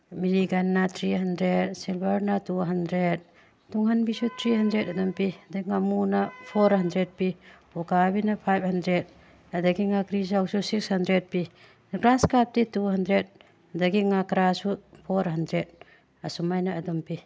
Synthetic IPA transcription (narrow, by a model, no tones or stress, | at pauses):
miɾiɡɐnːat̪ʰɾiɦandɾet̚silbɐɾnatuɦandɾet̚ | tuŋɦanbisut̪ʰɾiɦandɾetɐdɔmpihɐdɐɡiŋamunapʰoɾhandɾed̚pi | ukabinapʰajp̚handɾed̚ | hɐdaɡiŋakɾizawsusikshɐndɾed̚pi | ɡɾaskap̚tituɦandɾed̚ | ɐdaɡiŋakɾasupʰoɾɦandɾed̚ | ɐsumajnaːdɔmpi